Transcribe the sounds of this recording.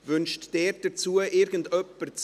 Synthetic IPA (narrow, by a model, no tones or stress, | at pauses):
vʏnʃtd̥eːɾd̥ɛt͡suːəʔɪɾɡən̩dœpːəɾt͡s